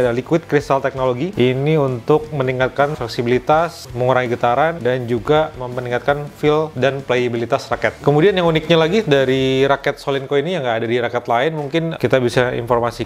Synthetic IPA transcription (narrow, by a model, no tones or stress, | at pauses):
dalikuʊɪt̪̚kɾist̪alt̪ɛk̚noloɡiiniunt̪ʊk̚məniŋkat̪̚kanflɛksibilit̪asməŋuɾaŋiɡət̪aɾandand͡ʒuɡaməmpəniŋkat̪̚kanfɪldanpleibilit̪asrakɛt̪̚kəmudianjaŋunɪk̚ɲalaɡidaɾiɾakɛt̪̚solinkoinijaŋɡaːdadiɾakɛt̪laɪnmuŋkɪnkit̪abisaḭnformasi